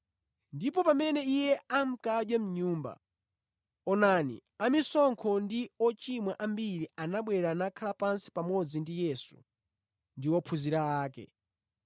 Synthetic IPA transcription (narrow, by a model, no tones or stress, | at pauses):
ndip̬ɔpamɛnɛijɛam̩kad͡ʒjwɛm̩ɲuːmba̰ | ɔnanḭamisɔŋkʰɔndiɔt͡ʃimwaʔambiɾianaɓwɛɾanakʰalapansi̥pamɔd͡zindijɛsu̥̰ | ndiwɔpʰuziɾaaːkɛ̰